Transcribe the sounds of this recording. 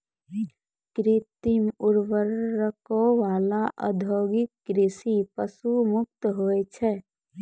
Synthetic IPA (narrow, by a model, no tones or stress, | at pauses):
kɾit̪imuɾʋəɾːəkoʋaːlaʔə̰d̪ʱoɡɪkːɾisipəsumʊk̚t̪ɦoɛt͡ʃʰɛ